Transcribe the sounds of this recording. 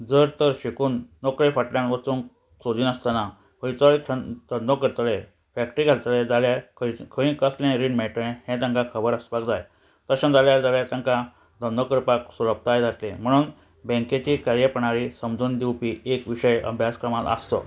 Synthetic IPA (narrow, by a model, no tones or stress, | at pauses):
d͡zəɾt̪əɾɕikuːnːokɾefəʈljãnʋət͡suːn | sod̪iːnəst̪ana | ʋəjt͡saiəd̪ənd̪okəɾt̪le | fækʈɾiɡʱalt̪led͡zaljakʰkʰəĩkəslãɾinmɛɭt̪ẽhɛ̃t̪ə̃ŋkakʰəbəɾəsʋakd͡zaj | t̪əɕə̃nd͡zaljaɾd͡zaljat̪ə̃ŋka | d̪ənd̪okəɾpaksuləp̚t̪ajd͡zʱat̪lẽm̤əɽ̃uːn | bə̃ŋket͡ɕiːkaɾjəpəɳ̃aɾisəmd͡zʱuːnd̪iwpiʔekʋiɕəjə̰bʱjaskɾəmat̪ə̰st̪ɔ̰